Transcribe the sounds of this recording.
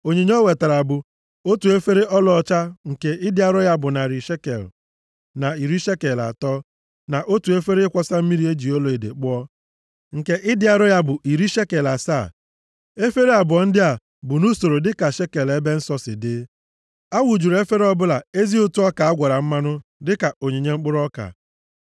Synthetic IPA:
o˨ɲe˨ɲ˦o˦we˨ta˨ɾa˨bʊ˨ | o˦tu˨e˦fe˦ɾe˦ʔɔ˦lɔ˦˨t͡ʃa˦ŋ̩˨ke˨ʔɪ˦dɪ˦a˦ɾʊ˦ja˦bʊ˨na˨ɾi˨ʃe˦kḛ˨l | na˨i˨ɾi˦ʃe˦ke˨la̰˨tɔː˦ | na˨ʔo˦tu˨e˦fe˦ɾe˦ɪ˦kʷɔ˦sa˦m̩˦mi˦ɾi˦e˦d͡ʒi˨o˦lo˨e˨dḛ˨k͡pʊ˦ɔ˦ | ŋ̩˨ke˦ʔɪ˦dɪ˦a˨ɾʊ˦ja˦bʊ˨ʔi˨ɾi˦ʃe˦ke˨la˨saː˦˨ | e˦fe˦ɾe˦a˨bʊ˨ɔ˨n̩˦dɪ˦a˨ | bʊ˨nu˦so˨ɾo˨dɪ˦ka˨ʃe˦ke˨le˦be˦n̩˦sɔ˦sɪ̰˨dɪ˦ | a˦wu˨d͡ʒu˨ɾe˦fe˦ɾe˦ɔ˦bʊ˦la˨e˦zi˦ʊ˦tu˦ɔ˦ka˨a˦ɡʷa˨ɾa˨m̩˦ma˦nʊ˦dɪ˦ka˨o˨ɲe˨ɲe˦ŋ͡m̩˦k͡pʊ˦ɾɔ˦ka̰˨

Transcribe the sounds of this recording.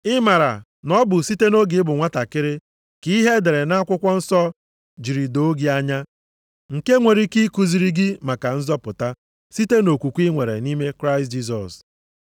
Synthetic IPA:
ɪ˦ma˨ɾa̰˨ | nɔ˦bʊ˨si˦te˦no˦ɡɪ˨˦ɪ˦bʊ˨ŋʷa˦ta˨kɪ˦ɾɪ˦ | ki˦i˦ɦe˦de˨ɾe˨na˦kʷʊ˦kʷɔ˦n̩˦sɔ˦ | d͡ʒi˨ɾi˨do˦ɡi˦a˦ɲa˦ | ŋ̩˨ke˦ŋʷe˨ɾi˦ki˦ku˦zi˨ɾi˦ɡɪ˦ma˨ka˨n̩˦zɔ˦pʊ˨ta˦ | si˦te˦no˨kʷu˨kʷi˦ŋʷe˨ɾḛ˨ni˦me˦kɾa˦ɪ˨std͡ʒi˦s̬ɔ̰˨s

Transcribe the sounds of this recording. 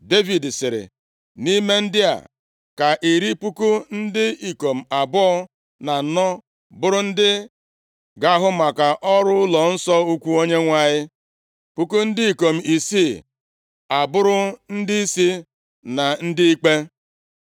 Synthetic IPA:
de˦vi˨dsɪ˨ɾɪ̰˨ | ni˦me˦n̩˦dɪ˦a̰˨ | ka˨ʔi˨ɾi˦pu˦ku˦n̩˦dɪ˦i˨ko˨m̩˨a˨bɔ˦ | na˨nɔ˦ | bʊ˦ɾʊ˦n̩˦dɪ˦ | ɡa˦ɦʊ˦ma˨ka˨ʔɔ˦ɾʊ˦ʊ˦lɔ˨n̩˦sɔ˦u˦kʷu˦o˦ɲe˦ŋʷa˦ɲɪ˦ | pu˦ku˦n̩˦dɪ˦i˨ko˨m̩˨i˨si˦˨ | a˨bʊ˦ɾʊ˦n̩˦dɪ˦i˦si˦ | na˨n̩˦dɪ˦i˦k͡pe˦

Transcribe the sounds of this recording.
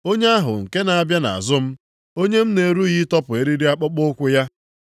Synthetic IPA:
o˦ɲe˦a˦ɦʊ̰˨ŋ̩˨ke˦na˨a˦bja˦na̰˨a̰˨zʊ˦m̩˦ | o˦ɲe˦m̩˦ne˨ɾu˦ɣi˦tɔ˦pʊ˨e˦ɾi˦ɾi˦a˦k͡pɔ˦k͡pʊ˦kʷʊ˦ja˦

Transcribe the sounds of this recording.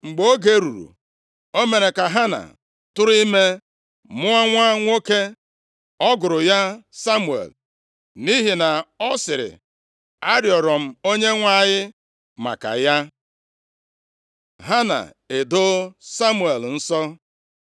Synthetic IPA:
ŋ͡m̩˨ɡ͡bo˦ɡe˦ɾṵ˨ɾṵ˨ | o˦me˨ɾe˨ka˨ɦa˦na̰˨ | tʊ˦ɾi˦me˦ | mʊ˦a˦ŋʷa˦ŋʷo˦ke˦ | ɔ˦ɡʊ˨ɾʊ˨ja˦sa˦mu˨ḛ˨l | ni˦ɦi˨na˨ɔ˦sɪ˨ɾɪ̰˨ | a˦ɾjɔ˨ɾɔ˨m̩˨o˦ɲe˦ŋʷa˦˨jɪ˦ | ma̰˨ka̰˨ja˦ | ɦa˦na̰˨ | e˨do˦sa˦mu˨e˨ln̩˦sɔ˦

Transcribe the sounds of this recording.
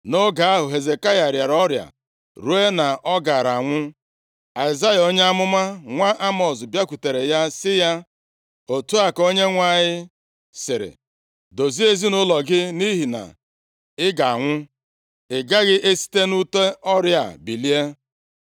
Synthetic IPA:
no˦ɡa˨a˦ɦʊ˨ɦe˨ze˨ka˦ja˨ɾja˨ɾɔ˦ɾja̰˨ | ɾu˦e˦na˨ʔɔ˦ɡa˨ɾa˨ŋʷʊ˦ | a˨ɪ˨za˦ja˨o˦ɲe˦a˦mʊ˦ma˦ŋʷa˦ʔa˦mɔ˨s̬bja˦kʷu˨te˨ɾe˨ja˦sɪ˦ja˦ | o˨tu˦a˨ko˦ɲe˦ŋʷa˦˨ɲɪ˦ | sɪ˨ɾɪ̰˨ | do˨zi˦e˦zi˦nʊ˦lɔ˨ɡɪ˦ni˦ɦi˨na̰˨ | ɪ˦ɡa˨a̰˨ŋʷʊ˦ | ɪ˨ɡa˦ɣɪ˦ʔe˦si̥˦te˦nu˦te˦ɔ˦ɾja̰˨bi˨li˦e˦

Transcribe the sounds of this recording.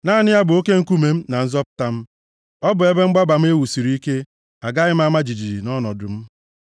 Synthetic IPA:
naː˦˨nɪ˦ja˦bʊ˨o˦ke˦ŋ̩˦˨ku˦me˨m̩˦na˨n̩˦zɔ˦pʊ̥˦ta˦m̩˦ | ɔ˦bʊ˨e˦be˦ŋ͡m̩˦ɡ͡ba˦ba˨m̩˦e˦wu˨si˨ɾi˦i˦ke˦ | a˨ɡa˦ɣɪ˦m̩˦a˦ma˦d͡ʒi˨d͡ʒi˨d͡ʒi˨nɔ˦nɔ˨dʊ̰˨m̩˦

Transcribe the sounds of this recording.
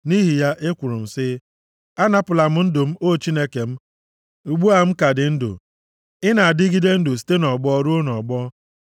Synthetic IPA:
ni˦ɦi˨ja˦ʔɪ˦kʷʊ˨ɾʊ˨m̩˨sɪ˦ | a˦na˦pʊ˨la˨m̩˦n̩˦dʊ˨m̩˦o˦˨t͡ʃi˦ne˦ke˨m̩˦ | u˨ɡ͡bu˦a˨m̩˦ka˨dɪ˨n̩˦dʊ̰˨ | ɪ˦na˨a˨dɪ˦ɡi˦de˦n̩˦dʊ˨s̬i̥˦te˦nɔ˨ɡ͡bɔ˦ɔ˦ɾo˦o˦nɔ˨ɡ͡bɔ˦

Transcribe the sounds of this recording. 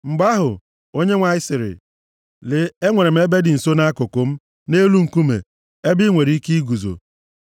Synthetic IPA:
ŋ͡m̩˨ɡ͡ba˦ɦʊ˨ | o˦ɲe˦ŋʷa˨ɪ˦sɪ˨ɾɪ̰˨ | lɪ˨e˦ŋʷe˨ɾe˨m̩˦e˦be˦dɪ˨n̩˨so˦na˦a˦kʊ˨kʊ˨m̩˦ | ne˦lu˦ŋ̩˨ku˦mḛ˨ | e˦bɪ˦ŋʷe˨ɾi˦ki˦i˦ɡu˨zo̰˨

